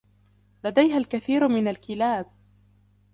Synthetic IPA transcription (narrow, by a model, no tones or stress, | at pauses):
lad̪ajɦalkaθiːɾmɪnalkɪlaːb̚